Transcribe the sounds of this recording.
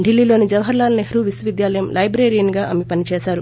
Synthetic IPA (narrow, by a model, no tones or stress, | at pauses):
ɖilːiːlo̞ːnid͡ʒɐʋɦɐɾlaːlɐneɦɾuʋisɐʋid̪jaːlɐjɐmlɐjbɾeːɾijɐniɡaːʔɐmepɐnit͡ʃɛːsaːɾu